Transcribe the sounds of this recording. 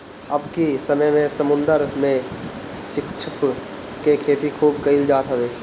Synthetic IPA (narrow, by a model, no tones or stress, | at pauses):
ɐbkisəməjmẽsəmʊ̃nd̪əɾmẽʃɪkt͡ʃʰɪp | kekʰeːt̪ikʰuːbkəild͡ʒaːt̪ɦɛʋeː